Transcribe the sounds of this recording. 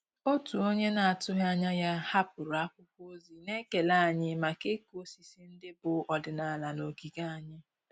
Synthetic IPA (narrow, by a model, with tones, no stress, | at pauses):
o˦tu˨o˦ɲe˦na˨a˨tʊ˦ɦa˦ɲa˦ja˦ha˦pʊ˨ɾʊ˨a˦kʷʊ˦kʷo˦zi˨ne˦ke˨la˦˨ɲɪ˦ma˨ke˦ko˦si˨si˦n̩˦dɪ˦bʊ˨˦ɔ˨dɪ˨na˨la˨lo˨ɡi˨ɡa˦a˨ɲɪ˦